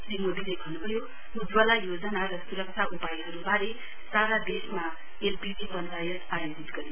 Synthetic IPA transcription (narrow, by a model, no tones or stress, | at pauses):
simod̪ilebʱʌnubʱʌjo | ud͡zwʌlajod͡zʌnaɾʌsuɾʌk̚t͡sʰaʔupaiɦʌɾubaɾe | saɾad̪esma | elpibibʌnlajʌtajod͡zit̪ɡʌɾi